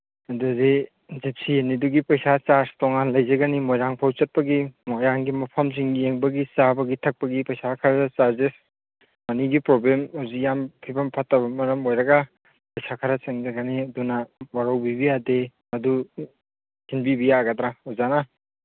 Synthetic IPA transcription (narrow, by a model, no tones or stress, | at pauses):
ɐduze | zip̚sieniduɡipɐjsat͡ʃaɾstɔŋanlɐjzɐɡɐnimojɾaŋpʰawt͡ʃɐt̚pɐɡimojɾaŋɡimɐpʰɐmsiŋieŋbɐɡisabɐɡitʰɐk̚pɐɡipɐjsakʰaɾɐt͡ʃaɾzes | mɐniɡipɾoblemawzik̚jampʰibɐmpʰatːɐbɐmɐɾɐmojɾɐɡɐ | pɐjsakʰɐɾɐt͡ʃɐŋzɐɡɐniɐdunɐwaɾɐwbibijademɐdu | hinbibijaɡɐdɾaozana